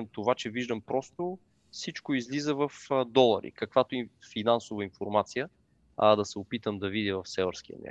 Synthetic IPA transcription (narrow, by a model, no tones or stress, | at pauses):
mt̪ovat͡ʃɛviʒd̪əmpɾɔst̪ʊ | sit͡ʃkoizlizəvɐfd̪ɔlˠɐ̰ɾḭkɐkvat̪oifinansʊvəinfoɾmat̪sijə | ɐd̪ɐsɛʊpit̪əmd̪ɐvid̪ivɐfsɛvə̰ɾsk̟iə̰mʲa̰